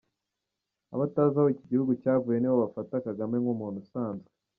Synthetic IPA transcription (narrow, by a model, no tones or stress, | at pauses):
a̰βataːzahoiciɟihuɡucaːvuje̞niβoβafatakaɡamŋe̞ŋumuːn̤usaːnzɡe